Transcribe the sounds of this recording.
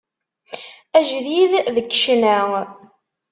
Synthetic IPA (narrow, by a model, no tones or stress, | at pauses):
æʒðiððəkːʃnæ